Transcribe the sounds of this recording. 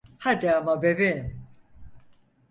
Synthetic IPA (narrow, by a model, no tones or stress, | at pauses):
had̪iamabevim